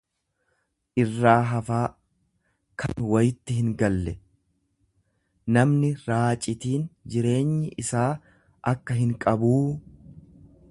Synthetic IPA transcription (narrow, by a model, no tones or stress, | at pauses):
ʔɪrːaːɦɐfaː | kʰɐ̰nwɐjɪt̪ːɪɦɪŋɡɐlːɛ | nɐmnɪɾaːt͡ʃʼːɪt̪iːnd͡ʒɪɾe̞ːɲːɪʔɪsaː | ʔɐkːɐɦɪŋkʼɐbuː